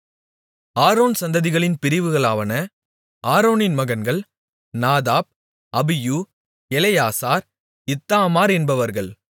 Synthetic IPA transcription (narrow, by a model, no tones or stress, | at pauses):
aːɾoːnsɐnd̪ɐðɪɣɐɭɪnpɪɾɪʋɯɣɐɭaːʋɐnɐ | aːɾoːnɪnmɐɣɐnɡɐɭ | naːðaːp̚ | ɐbɪju | ɛlɐjaːsaːɾ | ɪt̪ːaːmaːɾɛnbɐʋɐɾɣɐɭ